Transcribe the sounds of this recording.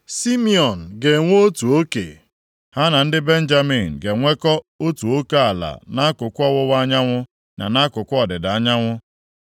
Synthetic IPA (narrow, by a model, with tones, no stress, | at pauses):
si˦mi˦ɔ˨n̩˨ɡe˨ŋʷo˦o˦tu˨o˦kḛ˨ | ha˦na˨n̩˦dɪ˦be˦n̩˦d͡ʒa˦mi˨n̩˨ɡe˨ŋʷe˦kɔ˦o˦tu˨o˦ke˦a˨la̰˨na˦kʊ˨kʷɔ˦wʊ˦wa˦ɲa˦ŋʷʊ˦ | na̰˨na˦kʊ˨kʷɔ˨dɪ˨da˨a˦ɲa˦ŋʷʊ˦